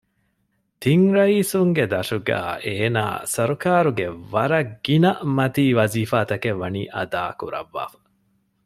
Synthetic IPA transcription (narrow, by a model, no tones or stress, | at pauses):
t̪iŋɾɐiːsuŋɡed̪ɐʂuɡæ̰ːʔeːna̰ːsɐɾukaːɾuɡeʋɐɾɐɡːinɐmɐt̪iːʋɐziːfaːt̪ɐkeʋːɐnḭːʔɐ̰d̪aːkṵɾɐ̰ʋːa̰ːfɐ̥